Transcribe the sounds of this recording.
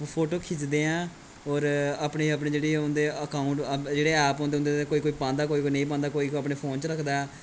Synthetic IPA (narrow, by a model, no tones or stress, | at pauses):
pʰoːʈoːkʰiːt͡ʃd̪eːãː | ɔːɾaːpɳeːəp̬ɳeːd͡ʒeːɽeːʊ̃nd̪eːəkaːʊɳʈd͡ʒeːɽeːɛːpɔ̃ːnd̪eʊ̃nd̪eːkoːiːkoːiːpãːnd̪aːkoːiːkoːinə̃ĩːp̬ãːnd̪aːkoːiːəpɳeːpʰoːnt͡ʃəɾəkʰd̪aːɛː